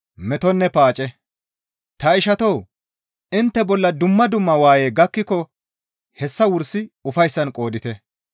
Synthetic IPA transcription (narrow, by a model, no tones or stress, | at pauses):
mɛt̪ɔnːɛpaːt͡ʃʼɛ | t̪ɐɪʃɐt̪ɔw | ɪnt̪ːɛbɔlːɐd̪ʊmːɐd̪ʊmːɐwaːjeːɡɐkːɪkːɔ | hɛsːɐwʊɾsɪʊfɐjsːɐnkʼo̞ːd̪ɪt̪ɛ